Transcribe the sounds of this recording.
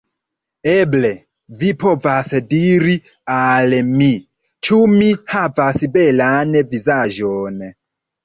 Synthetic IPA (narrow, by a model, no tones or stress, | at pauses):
ɛblɛ | vipʰɔvasɛdiɾi | alɛmi | t͡ʃʰumihavasibɛlanɛvizaʒɔːnɛ